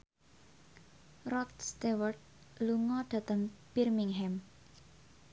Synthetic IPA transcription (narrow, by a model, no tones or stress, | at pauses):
rɔt̪̚st̪ewərt̪̚ | luŋɔɖ̪̥ä̤t̪əŋpirmiŋɦɛm